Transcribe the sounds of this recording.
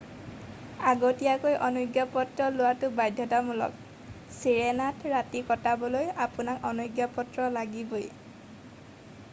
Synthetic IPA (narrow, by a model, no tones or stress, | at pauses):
aɡotijakojʔɔnuɡjapɔtɹɔlʊwatʊbajdʱːɔtamɔlɔ̰k | siɹenatʰɹatikɔtabɔlojapʊnakɔnuɡjapɔtɹɔlaɡiboj